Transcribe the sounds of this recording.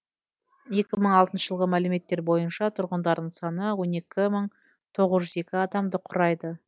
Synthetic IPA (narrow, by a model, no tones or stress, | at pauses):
je̞kʲɪməɴɑlˠt̪ənʃəʒəlˠʁəmælɪme̞t̪ːe̞ɾbo̞jənʃɑt̪ʰʊɾʁənd̪ɑɾd̪əɴsɑnəwo̞ne̞kʲɪməɴ | t̪ʰo̞ʁəzʒʏze̞kʲɪɑd̪ɑmd̪əqʰʊɾɑjd̪ə